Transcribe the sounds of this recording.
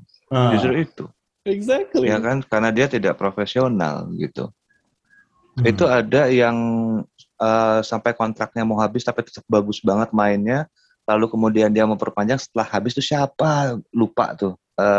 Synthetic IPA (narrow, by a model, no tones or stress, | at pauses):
d͡ʒust̪ɾʊit̪ṵ | ɛɡzak̚ljakankaɾənadiat̪idaʔpɾofesiona̰lɡḭt̪ṵ | it̪uadajaŋ | əːsampajkɔnt̪ɾak̪̚ɲamaɦabɪst̪apit̪ə̥t̪əp̚baɡʊsbaŋət̪̚maɪnɲa | lalukəmudiandiaməmpərpaɲd͡ʒaŋsə̥t̪əlahːabɪst̪usiapalupa̰ʔt̪ʊ | əː